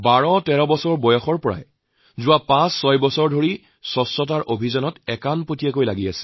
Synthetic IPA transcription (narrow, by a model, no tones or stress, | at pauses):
baɹɔtɛɹɔbɔsɔɹbɔjɔxɔɹpɔɹa̰j | zʊwapãsːɔjbɔsɔɹdʱoɹi | sɔsːɔt̬aɹʔobʱizɔnɔtɛkanpotijakojlaɡiasɛ̥